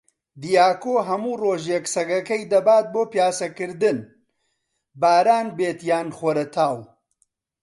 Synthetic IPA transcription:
d̪ijaːkoːɦɐmuːroːʒjeksɐɡɐkɐjd̪ɐbaːt̪̚boːpjaːsɐkɨɾd̪ɨn | baːɾaːnbeːt̪jaːnχoɾɐt̪ʰaːw

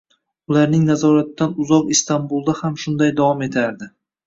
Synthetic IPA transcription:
ʊlaɾnɪŋnazɒɾat̪ːanʊzɒqɪst̪anbulˠd̪ahamʃʊnd̪ajd̪avɒme̞t̪ʰaɾd̪ɪ

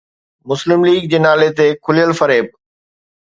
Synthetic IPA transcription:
mʊslɪmliːɡ̚d͡ʑeːnaːlet̪ekʰʊlijəlfɐɾeːb̚

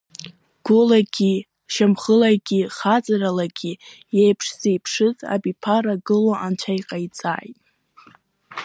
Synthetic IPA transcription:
ɡ̥ʊlaɡʲi | ʃamχəlaɡʲiχat͡sʼaralaɡʲi | jejpʰʂz̥ejpʰʂɨza̰bipʰaɾaɡɨloʔant͡ʃʷʰajqʼajt͡sʼa̰ːjtʼ

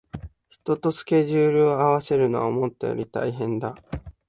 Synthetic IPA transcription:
çi̥t̪o̞t̪o̞sɨ̥ke̞ʑɨːɾɯ̟oaβase̞ɾɯ̟noβa̰mo̞t̪ːejo̰ɾʲit̪a̰iɦẽ̞nd̪a

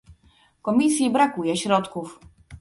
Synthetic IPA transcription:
kɔmʲisʲjibɾakujɛɕɾɔt̪kuf

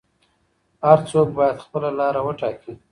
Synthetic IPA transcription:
haɾt͡sok̚bɑjad̪xpəlalɑɾawəʈɑki

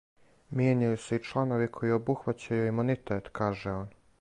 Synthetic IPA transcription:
mjeɲajusuit͡ʃlˠano̞ʋikʰo̞jio̞buxʋat͡ɕajuimunit̪et̪kʰaːʒeoːn

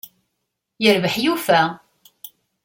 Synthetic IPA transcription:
jəɾvəħjufæ

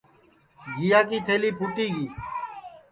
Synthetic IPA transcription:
ɡʱijaːkiːt̪ʰeːliːpʰʊʈiːɡiː

